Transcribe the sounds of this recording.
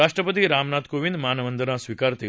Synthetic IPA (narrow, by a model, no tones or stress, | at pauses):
aʂʈɾəpət̪̬iɾamnat̪koʋĩnd̪manəʋənd̪nasʋikaɾt̪e